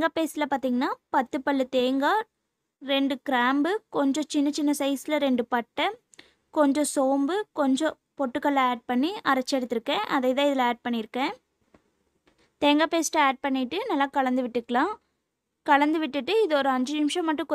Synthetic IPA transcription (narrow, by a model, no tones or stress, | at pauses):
ŋɡaːpeːsɪlɐpaːɾt̪iːŋɡɐnːaːpɐt̪ːɯpːɐɭːɯt̪eːŋɡaː | ɾɛɳɖɯkɪɾaːmbɯkɔɲd͡ʒɔ̃t͡ʃɪnːɐt͡ʃɪnːɐsɐɪsɪlɐɾɛɳɖɯpɐʈːɐ | kɔɲd͡ʒɔ̃soːmbɯkɔɲd͡ʒɔ̃ | pɔʈːɯkːɐɭːaːɖ̚pɐɳːiɐɾɐt͡ʃːɛɽɯt̪ːɯɾɯkːẽːʔɐðɐɪt̪ãːɪðɪlaːɖ̚pɐɳːɪɾɯkːẽː | t̪eːŋɡaːpeːsʈɐaːɖ̚pɐɳːɪʈːɯnɐlːaːkɐɭɐnd̪ɯʋɪʈːɯkːɐɭãː | kɐɭɐnd̪ɯʋɪʈːɯʈːɯɪðɯɔɾɯɐɲd͡ʒɯnɪmʂɐ̃mːɐʈːɯ̃kɔ